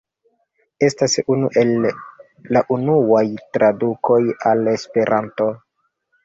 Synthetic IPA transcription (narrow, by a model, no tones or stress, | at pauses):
e̞stasunuʔe̞lː | aʔunuwajtɾaduko̞jale̞spe̞ɾʔanto̞